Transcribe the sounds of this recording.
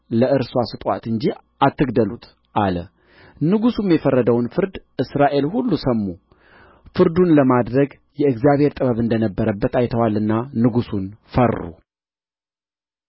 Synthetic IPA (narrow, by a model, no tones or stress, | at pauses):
ləʔɨɾswasɨt̪ʼwa̰t̪ɨnd͡ʒi | ʔat̪ːɨɡd̪əlut̪ʰ | ʔalə | nɨɡusumjɛfərːəd̪əwnfɨɾd̪ʔɨsɾaʔe̞lhulːusəmːu | fɨɾd̪unləmad̪ɾəɡ | jɛɨɡzjaβhe̞ɾt̪ʼɨβəβɨnd̪ənəbːəɾəbːət̪ʰajt̪ʰəwalɨnːanɨɡusunfərːṵ